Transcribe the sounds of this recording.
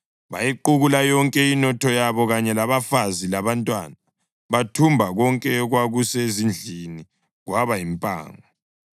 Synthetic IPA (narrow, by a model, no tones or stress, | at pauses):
βa̰jiǃuɣulajɔŋkʼɛinɔtʰɔjaβɔɣaɲɛlaβafazilaβantʼwa̰na | βatʰumbʱaɣɔŋkʼɛɣwaɣusezind͡ɮʱini | ɣwaβajimpʼa̰ːŋa